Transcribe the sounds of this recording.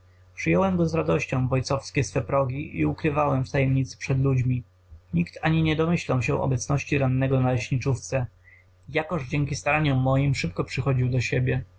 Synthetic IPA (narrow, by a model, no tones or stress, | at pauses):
pʂɘjɔwɛmɡɔzɾad̪ɔɕt͡ɕɔ̃w̃vɔjt̪sɔfskʲɛsfɛpɾɔɡʲiʔḭukɾɘvawɛmft̪ajɛmɲit̪sɘ̥pʂɛd̪lud͡ʑmʲi | ɲikt̪aɲiɲɛd̪ɔmɘɕlaw̃ɕɛʔɔ̰bɛt̪snɔɕt͡ɕiɾanːɛɡɔnalɛɕɲit͡ʂuft̪sɛ | jakɔʐd͡ʑɛŋkʲist̪aɾaɲɔmːɔjimʂɘp̚kɔpʂɘxɔd͡ʑiwd̪ɔɕebʲjɛ